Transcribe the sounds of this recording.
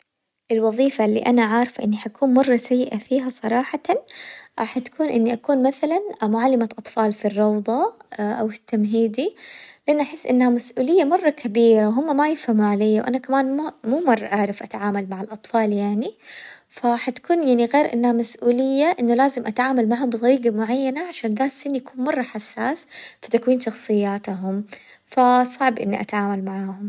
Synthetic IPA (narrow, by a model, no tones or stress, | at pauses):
ʔɪlwɑðˤiːfalːḭʔanaʕaːɾˤɑfʔɪnːiħakʰuːnmɑrˤːɑsajːɪʔafiːɦasˤɑɾˤɑːħɑt̪ | ħat̪kʰuːnʔɪnːiʔakuːnmaθalanmʊʕalːɪmaʔɑt̪ˤfɑːlfirːɑwd̪ˤɑʔawfi̥t̪ːamɦiːd̪ilɪʔanːʔaħɪsːʔɪnːhamasʔuːlɪjːamɑrˤːɑkʰabiːɾawɦʊmːamajɪfhamuʕalejːawʔa̰nakamaːnmmuːmɑrˤːɑʔaʕɾˤɪfʔat̪aʕaːmalmaʕalʔɑt̪ˤfɑːljaʕni | faħat̪ḁkuːnjaʕniɣeːɾʔɪ̰nːhamasʔuːlɪjːaʔɪnːʊlaːzɪmʔat̪ʕaːmalmaʕhʊmbɨt̪ˤɑɾiːɡamʊʕajːanaʕaʃaːnðaːsɪnːijakuːnmɑrˤːɑħasːaːsfit̪akwiːnʃɑxsˤɨjːaːt̪ɦʊm | fasˤɑʕbʔɪ̰nːiʔa̰t̪ʕaːmalmaʕaːhʊm